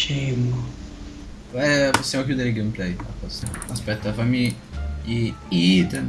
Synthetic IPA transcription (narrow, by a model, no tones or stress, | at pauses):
t͡ʃemo | ɛpːosːamokjuːd̪eɾeiɡejmplɛjapːɔsimaspɛt̪ːafamːi | iid̪en